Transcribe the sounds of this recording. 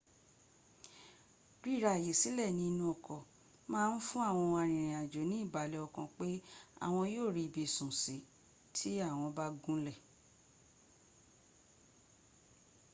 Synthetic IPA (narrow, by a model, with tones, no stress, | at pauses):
ɾi˦˨ɾa˧˨je˨si˨˦lɛ˦˨nĩ˧nũ˧ɔ˨kʰɔ˨ | mãː˦˧n̩˦fũ˦a˦˨w̃ɔ̃˧a˧˨ɾ̃ĩ˨ɾ̃ĩ˨a˨d͡ʒo˨˦nĩ˦i˦˨ba˨˦lɛ˨ɔ˨kɔ̃˧k͡pe˦a̰˦˨w̃ɔ̃˧joː˦˨ɾi˧˨bi˧˨sũ˨si˨˦ | tʰi˦a˦˨w̃ɔ̃˧ba˦ɡũ˦lɛ˦˨